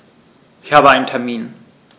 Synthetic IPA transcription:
ɪçhaːbəaɪntʰɛɐmiːn

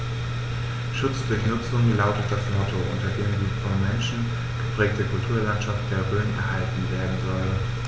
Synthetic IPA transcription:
ʃʊt͡sd̥ʊɐçnʊt͡sʊŋlaʊtət̚d̥asmɔtʰoʔʊ̰ntɐdeːmdiːfɔnmɛnʃn̩ | ɡ̥əpʁ̥ɛːk̚təkʰʊltʰuːɐlantʃaft̚d̥eːɐʁøːənɛ̰ɐhaltn̩veːɐdn̩zɔl

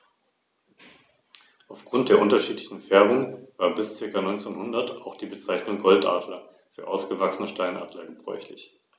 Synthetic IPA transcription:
ʔaʊfɡ̥ʁʊntd̥eːɐʔʊntɐʃiːtlɪçn̩fɛɐbʊŋv̥aːɐbɪst͡sɪɐkanɔʏnt͡seːnhʊndɐta̰ʊxd̥iːbət͡saɪçnʊŋɡɔltʔa̰ːdlɐ | fyːɐʔaʊsɡ̥əvaksənəʃtaɪnʔa̰ːntlaːɡŋ̩bʁɔ̰ʏçlɪ̰ç

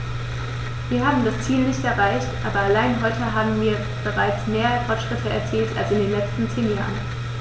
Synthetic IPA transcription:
viːɐhaːbm̩dast͡siːlnɪçtɛɐʁaɪçtʔaːbɐalaɪnɦɔʏtəɦaːbm̩viːɐ | b̥əʁaɪt͡smeːɐəfɔɐtʃʁ̥ɪtʰəɛɐt͡siːltalsɪndeːnlɛt͡stn̩t͡seːnja̰ːʁən

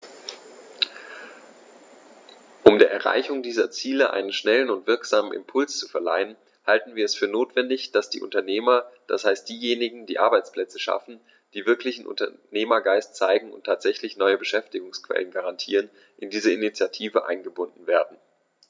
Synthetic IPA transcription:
ʔʊmdeːɐɛɐʁa̰ɪçʊŋdiːzɐt͡siːləʔa̰ɪnənʃnɛlənʊntv̥ɪɐkz̥aːmənʔɪ̰mpʰʊlst͡su̥fɛɐla̰ɪən | haltn̩viːɐɛsfyːɐnoːtv̥ɛndɪçd̥asd̥ḭːʔʊ̰ntɐneːmɐd̥ashaɪst̚d̥iːjeːnɪɡŋ̩diːʔaɐbaɪt͡spl̥ɛt͡səʃa̰fn̩ | d̥iːvɪɐklɪçn̩ʔʊ̰ntɐ̰neːmɐɡaɪstt͡saɪɡŋ̩ʊ̰ntʰːaːtz̥ɛçlɪçnɔʏəbəʃɛftɪɡʊŋskv̥ɛ̰lənɡaʁantʰḭːʁ̞ən | ʔɪndiːzəɪnit͡sjatʰiːvəʔa̰ɪnɡəbʊndn̩veːɐdn̩

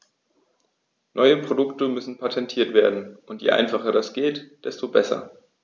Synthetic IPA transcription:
nʔɔʏəpʁ̥odʊktəmʏsn̩pʰatʰɛntʰiːɐtv̥eːɐdn̩ʔʊntjḛːʔa̰ɪnfaχɐdasɡ̥eːtd̥ɛstobɛsɐ̰

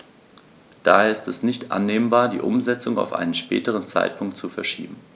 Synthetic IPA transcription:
d̥a̰ːheɐːɐɪstɛsnɪçtʔa̰nːeːmbaːɐdḭːʔʊmzɛt͡sʊŋa̰ʊfʔa̰ɪnənʃpɛ̰ːtəʁ̞ənt͡sa̰ɪt̚pʰʊŋk̚tt͡sufɛɐʃiːbm̩

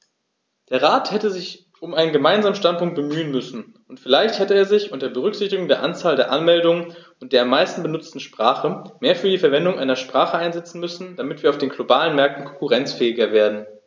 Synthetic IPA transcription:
d̥eːɐʁ̞aːthɛtəzɪç | ʊmʔaɪnənɡəmaɪnzaːmənʃtantpʊŋkt̚b̥əmyːənmʏsn̩ | ʊntfɪlaɪçthɛtəeːɐzɪçʔʊntdeːɐbəʁ̞ʏkz̥ɪçtɪɡʊŋdeːɐʔant͡saːldeːɐʔanmɛldʊŋən | ʊnt̚d̥eːɐamːaɪstn̩bənʊt͡stn̩ʃpʁ̥aːχəmeːɐfyːɐdiːfɛɐvɛndʊŋʔaɪnɐʃpʁ̥aːχəʔaɪnzɛt͡sn̩mʏsn̩d̥amɪtv̥iːɐaʊfd̥eːnɡlobaːlənmɛɐk̚tn̩kʰɔŋkʊʁɛnt͡sfɛːɪɡɐveːɐdn̩

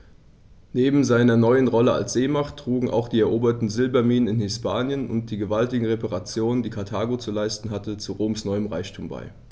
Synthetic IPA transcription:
neːbm̩zaɪnɐnɔʏənʁɔləa̰lsz̥eːmaχtːʁ̥uːɡŋ̩ʔa̰ʊxd̥iːɛɐʔoːbɐtn̩zɪlbɐmiːnənɪnhɪspaːnjənʊ̰nt̚d̥iːɡəvaltɪɡŋ̩ʁepaʁat͡sjoːnəndiːkʰatʰaːɡot͡sulaɪstn̩ɦatət͡suʁoːmsnɔʏəmʁa̰ɪçtʰuːmba̰ɪ

